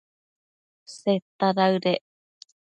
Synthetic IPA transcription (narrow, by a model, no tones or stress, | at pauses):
set̪ːaɾaɯɾe